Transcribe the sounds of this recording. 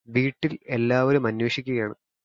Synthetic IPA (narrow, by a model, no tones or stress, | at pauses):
ʋiːʈːile̞lːaːʋɐɾumɐnweːʂikʲːuɣɐjaːɳɨ